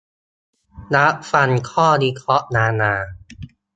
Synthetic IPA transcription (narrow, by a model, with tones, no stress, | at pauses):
na˦˥ʔfa˧nkʰɔː˥˩niː˧kʰlɔ˦˥ʔnaː˧˥naː˧